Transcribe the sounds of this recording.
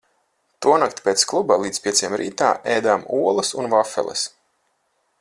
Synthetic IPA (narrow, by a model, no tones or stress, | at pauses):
t̪uɔnakt̪pʲeːt̪sklˠubalˠiːd̪spʲiɛt̪sijɛmɾḭːt̪aːʔejd̪aːmuɔlˠɐsunvafɛ̰lˠɛ̰s